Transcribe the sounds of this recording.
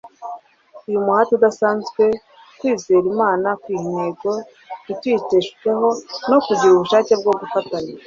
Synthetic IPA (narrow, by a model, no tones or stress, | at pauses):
ujumuhatudasaːnzɡwe̞ | kwiːzeːɾimaːnakwiːhineːɡo | itwiceʃu̥eɦo̞no̞kuɟiɾuβuʃaːce̞b̚ɡo̞ɡufatane